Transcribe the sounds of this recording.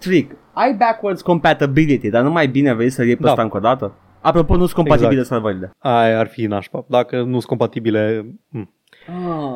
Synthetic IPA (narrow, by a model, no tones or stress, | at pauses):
t̪ɾik | ajbɛkwəɾd̪skõmpæt̪abilit̪id̪anumajbineavesəɾep̪əsat̪aɨŋko̞d̪at̪ə | apɾo̞ponusko̞mpat̪ibilesalvaɾileajarfinaʃpap̚d̪akənusko̞mpat̪ibilem̩ | a